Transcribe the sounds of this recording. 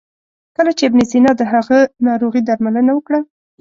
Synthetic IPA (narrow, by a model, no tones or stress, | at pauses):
kəlat͡ʃeɪbnɪzinɑd̪əɦaɣənɑɾoɣid̪aɾmalənawəkɽa